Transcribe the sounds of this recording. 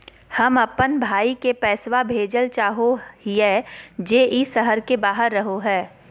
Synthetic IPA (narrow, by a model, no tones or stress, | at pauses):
hɐmɐpːənbʱaːikepɛːswabʱeːd͡ʒəlt͡ʃaːɦohiɛːd͡ʒeːʔisəɦəɾkebaːɦəɾːɐɦoɦɛː